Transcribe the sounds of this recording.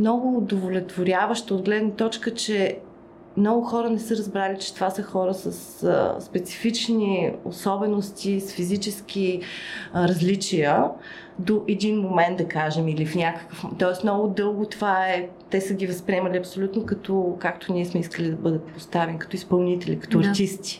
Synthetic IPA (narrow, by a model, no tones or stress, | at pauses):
mnɔɡʊd̪ovolʲɛt̪voɾʲavəʃt̪əod̪ɡlɛd̪nət̪ɔt͡ʃkət͡ʃɛ | mnɔɡʊxɔɾənɛsɤɾɐzbɾalit͡ʃɛ̥t̪ovasəxɔɾəsəsspɛt̪si̥fit͡ʃnio̰sɔbɛnost̪ʲisfizit͡ʃɛsk̟i | ɾɐzlit͡ʃijə | d̪oʔɛd̪inmomɛnd̪ɐkaʒɛmilifnʲakə̥kəft̪ɔɛsmnɔɡʊd̪ɤlˠɡot̪ovaɛ | t̪ɛsəɡʲivɐspɾʲiɛmɐlʲiɐpsolʲut̪nokɐt̪ɔkakt̪ʰʊniɛsmɛiskəlid̪ɐbɤd̪ət̪̚post̪avɛnikɐt̪ɔispɐlˠnit̪ɛlʲḭkɐ̥t̪ɔɐɾt̪ist̪i̥